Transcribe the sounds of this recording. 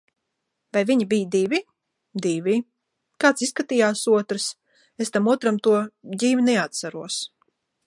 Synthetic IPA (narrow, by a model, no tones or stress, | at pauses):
vajviɲibijd̪ivʲi | d̪ivʲi | kaːt̪siskat̪iːjaːsuɔt̪ɾɨs | est̪amuɔt̪ɾamt̪uɔd̪ʲiːvʲinɛat̪saɾuɔs